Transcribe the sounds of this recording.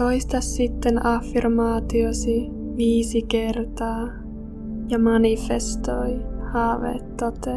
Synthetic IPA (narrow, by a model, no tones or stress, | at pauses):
oist̪ɑsːit̪ːenɑfːirmɑːt̪iosi | ʋiːsikert̪ɑː | jɑmɑnifest̪ojhɑːʋḛt̪ːot̪e